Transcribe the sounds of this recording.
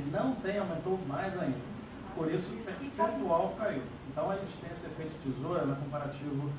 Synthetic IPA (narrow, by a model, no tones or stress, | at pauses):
nɐ̃w̃t̪ẽj̃awmẽnt̪omajzaĩnd̪ɐ | poɾisʊpesẽt̪uawkaiw | ẽnt̪ɐ̃w̃ɐiʃt̪ẽsɐepet͡ʃɪ̥t͡ʃizoɾɐnɐkõmpaɾat͡ʃivʊ